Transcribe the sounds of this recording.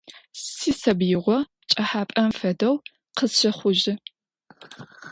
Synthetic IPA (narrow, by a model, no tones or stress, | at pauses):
siːsɐbjɪʁʷɔ | t͡ʃʼɐħaːpʼɐmfɐdɐw | qəsɕɐχʷʊʒɪ